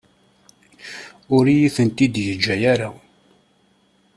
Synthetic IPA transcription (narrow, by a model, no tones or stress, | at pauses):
ʊɾijiθənt̪id̪jəd͡ʒːæjæɾa